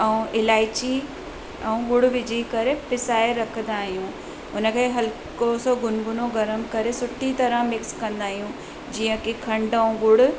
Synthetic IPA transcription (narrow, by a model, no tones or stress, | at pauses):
ɛũʔɪlaːɪt͡ɕi | ɛ̃ũɡʊɽʊʋɪd͡ʑʱikɐɾepɪsaːɪɾɐkʰə̃nd̪aːɦijũ | ʊnəkʰeɦɐl | kosoɡʊnɡʊnõɡɐɾəmkɐɾesʊʈʰit̪ɐɾə̃mɪkskɐ̃nd̪aːɦijũ | d͡ʑiːə̃kikʰɐ̃ɳɖəũɡʊɽʊ